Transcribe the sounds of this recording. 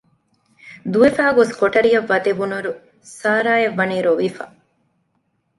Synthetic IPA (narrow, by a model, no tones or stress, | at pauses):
d̪uʋefaːɡoskoʈɐɾijɐʋːɐd̪eʋunuɾu | saːɾaːjeʋːɐniːɾoʋifa̰